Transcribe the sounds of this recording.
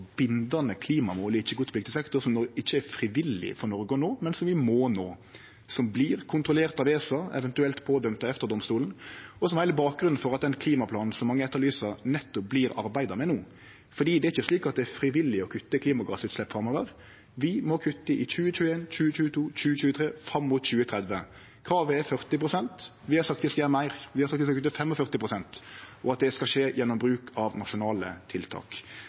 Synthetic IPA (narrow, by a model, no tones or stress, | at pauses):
bɪnd̪ɑnəkʰliːmɑmoːləɪçːəɡuːt̪ʰpʰlɪk̚t̪ɪsɛkt̪ɔsɔmnɔɪçːəæɾfɾɪʋɪlːɪ̰fɔɾnɔɾɡəɔnoːmɛnsɔmʋɪmoːnoː | sɔmbliːɾkʰʊnt̪ʁʊleːʁt̪ɑʋeːsɑɛ̰ʋɛnt̪ʉɛlt̪pʰɔd̪œmt̪ɑɛft̪əɾd̪ɔmst̪uːln̩ɔsɔmæɪləbɑːk̚ɡɾʉnn̩fɔɾɑt̪̚d̪ɛnkʰliːmɑpʰlɑːnn̩sɔmːɑŋːəɛt̪ːəlyːsɑnɛt̪ːɔp̚bliːɾɑ̰ɾbæɪd̪ɑmɛnuː | fɔɖ̪iːd̪ɛæɾɪçəsliːkɑt̪̚d̪ɛæɾfɾɪʋɪlːɪɔkʰʉt̪ːəkʰliːmɑɡɑ̰ːsʉːt̪slɛpːfʁɑmɔːʋəɾ | ʋɪmɔkʰʉt̪ːəʔɪc͡çʉːət͡ʃʉːəeːnt͡ʃʉːət͡ʃʉːət̪ʰuːc͡çʉːət͡ʃʉːət̪ʰɾeːfɾɑmːʊt̪c͡çʉːət̪ʰɾɛd̪ʋə | kʰɾɑːʋəɛfœʁt̪ɪpɾʊsɛnt̪ʋɪhɑɾsɑkt̪ʋɪskɑjæːɾəmæɪɾʋɪhɑsɑkt̪ʋɪskɑkʰʉt̪ːəfɛmːɔfœʁt̪ɪpʰɾʊsɛnt̪ɔɑt̪̚d̪ɛskɑʂeːjɛnːɔmbɾʉːkʰɑʋnɑʃʊnɑːlə̰t̪ʰɪlt̪ʰɑ̰ːk